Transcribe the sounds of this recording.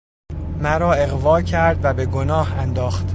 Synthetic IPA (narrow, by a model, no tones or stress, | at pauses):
mæɾɒːe̞ɣvɒːcʰæɾd̪væbe̞ɡonɒːhænd̪ɒːxt̪